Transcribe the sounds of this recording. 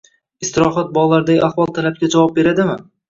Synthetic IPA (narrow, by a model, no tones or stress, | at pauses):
ɪst̪ɪɾɒɦɒt̪̚bɒʁlaɾd̪aɡʲɪ̰ahvɒlˠt̪ʰalap̚kʲad͡ʒavɒp̚be̞ɾad̪ɪmɪ